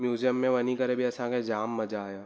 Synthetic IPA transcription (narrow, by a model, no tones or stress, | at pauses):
mjuːzijəmːẽʋɐnikɐɾebʱiɐsãked͡ʒaːmːɐd͡ʒaːjaː